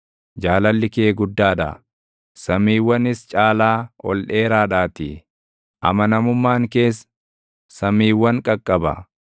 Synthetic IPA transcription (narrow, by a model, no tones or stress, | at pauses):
d͡ʒaːlɐlːɪkeːɡʊd̪ːaːᶑɐ̰ | sɐmːiːwːɐnɪst͡ʃʼaːlaːɔ̰lᶑe̞ːɾaːᶑaːt̪ḭː | ʔɐ̰mɐnɐmʊmːaːŋke̞ːs̬ | sɐmiːwːɐŋkʼɐkʼːɐbɐ